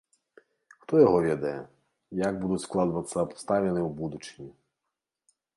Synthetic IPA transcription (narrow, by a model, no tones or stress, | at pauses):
xt̪ɔjɔɦɔʋʲid̪ɐjɛ | jaɡ̚bud̪usklˠɑd̪ʊʋɐt̪sɐpɔ̥st̪ɑʋʲenɪwbud̪ut͡ʃɪ̥nʲi